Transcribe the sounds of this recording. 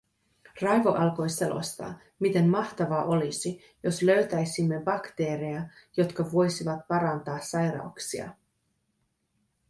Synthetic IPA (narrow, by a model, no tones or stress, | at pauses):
rɑjʋo̞ʔɑlko̞jse̞lo̞̰st̪ɑ̰ː | mit̪e̞mːɑht̪ɑʋɑʔo̞lisi | jo̞slø̞ɥt̪æjsimːebɑkt̪e̞ːɾejɑjo̞t̪kɑʋo̞jsiʋɑt̪̚pɑɾɑnt̪ɑːsɑjrɾɑ̰wksiɑ̰